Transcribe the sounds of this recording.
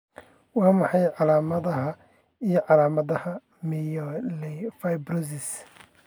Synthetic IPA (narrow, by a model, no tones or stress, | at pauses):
wɑːmɑħɑjʕɑlaːmɐðɐɦɐ | ijɞʕɑlaːmɐðɐhɐ | mijɔlɛfajbrɔsɪs